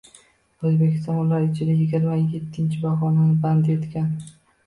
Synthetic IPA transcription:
ɵzbekʲɪ̥st̪ɒnʊlaɾɪt͡ʃʰɪd̪ajɪɡʲɪɾmaje̞t̪ʰːɪnt͡ʃʰɪbɒʁɒnanɪbant̪e̞t̪kʲan

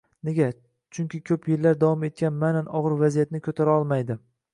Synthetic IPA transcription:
neɡʲa | t͡ʃʰʊŋkʲʰɪkʲʰɵpʰjeɾlːaɾd̪avɒme̞t̪̚kʲanmananɒʁɨɾvazijat̪nɪkʰɵt̪ʰaɾaɒlˠmajd̪ɪ

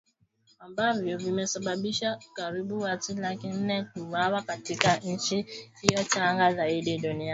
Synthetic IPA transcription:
ambaviovimesababiʃakaɾibuwatilakɪn̩nekuwawakatikan̩t͡ʃiijɔt͡ʃaazaidedonia

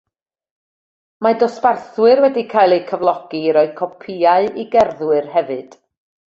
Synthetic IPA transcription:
madɔsbarθwɨrwɛdikʰaːjlˠejkʰəvlˠɔɡ̥iɾɔɨd̥kʰɔpʰiaɨiɡɛrðwɨrhɛvɨd̥

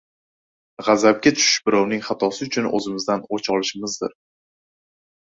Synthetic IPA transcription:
ʁɑzab̚ɡʲat̪ʰʊ̥ʃɪʃbɪɾɒwnɪŋχɑt̪ʰɒsɪʊt͡ʃʰʊnɵ̰zɪmɪzd̪anot͡ʃʰɒlɪʃɪmɪzd̪ɪ̰ɾ

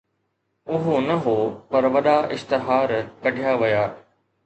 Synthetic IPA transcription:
ʊɦonɐɦoːpɐɾʋɐɗaʔɪst̪ɪɦaːɾkɐɖʱijaʋɐjaː

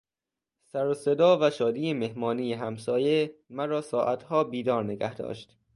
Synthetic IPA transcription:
sæɾosed̪ɒːvæʃɒːd̪iːemehmɒːniːjeɦæmsɒːje̞mæɾɒːsɒːʔæt̪hɒːbiːd̪ɒːɾneɡæhd̪ɒ̰ːʃt̪

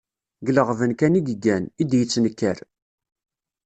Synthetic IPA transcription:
ɡləʁvənkæniɡɡænid̪jət͡sːnəkːæɾ

